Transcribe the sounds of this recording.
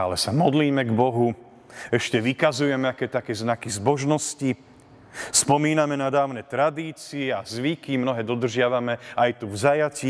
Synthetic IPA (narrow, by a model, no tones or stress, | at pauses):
a̰lɛsamɔd̪liːmɛɡbɔɦu | ɛʃcɛʋikazujɛmɛakɛːt̪akɛːznakizbɔʒnɔsci | spɔmiːnamɛnad̪aːʊnɛt̪ɾad̪iːt͡siɛazʋikimnɔɦɛːd̪ɔd̪r̩ʒɪaʋamɛajt̪uvzajaci